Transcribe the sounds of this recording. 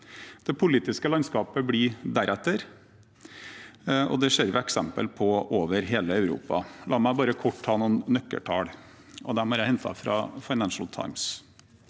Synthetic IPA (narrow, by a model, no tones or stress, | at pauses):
d̪̥ɛpʰʊliːt̪ɪskəlɑnskɑːpəbɽɪd̪æɾʔɛt̪ːəɾ | ɔ̰d̪ɛʂeːɾʋɛɛksɛmpə̰lpʰɔʔoːʋəɾɦeːləɑʉɾṵːpɑ̰lʔɑːmæɪbɑːɾəkʰɔʈ̪ːʰɑːnuːnːœkːə̰ʈʰɑ̰ːɽ | ɔd̪æmɔjæɪhɛnt̪ʰɑ̰fɾɑ̰fɑɪnænʃl̩t̪ʰa̰ɪms